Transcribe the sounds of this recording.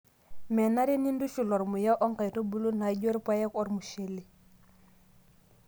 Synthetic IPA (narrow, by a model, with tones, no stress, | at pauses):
mɛ˨na˦ɾi˦ni˦ndu˦ʃu˨lɔ˨ɾmu˨ja˦ʔɔ˦ŋka˨jto˦bu˦lu˦na˨ɟo˦ɾpa˦je˦kɔ˦ɾmu˨ʃe˨li˨